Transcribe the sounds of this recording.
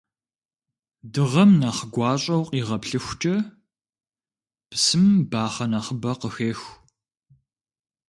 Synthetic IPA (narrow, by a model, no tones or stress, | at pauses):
dɨʁɐmnaːχəɡʷɑːɕʼɐwqʼiːʁɐpɬɨxʷt͡ʃʼɐ | psɨmbaːχɐnaχəbɐqəxeːx